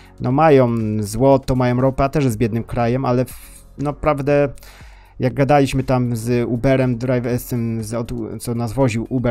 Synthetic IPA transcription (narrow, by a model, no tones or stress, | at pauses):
nʔɔmajɔmzwɔt̪ɔmajɔ̃mɾɔpɛat̪ɛʂjɛzbjɛd̪nɘmkɾajɛmʔalɛf | nɔpɾavd̪ɛ | jaɡ̚ɡad̪alʲiɕmɘt̪amzubɛɾɛmd̪ɾajvɛɾsɛmzɔd̪t̪sɔnazvɔʑiwʔubɛ